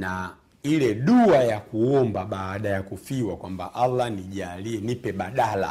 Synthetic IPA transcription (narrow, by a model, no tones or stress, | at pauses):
na | ilɛɗuajakuɔmbaɓaːɗajakufiwakwambaʔalːaniʄalinipɛɓaɗala̰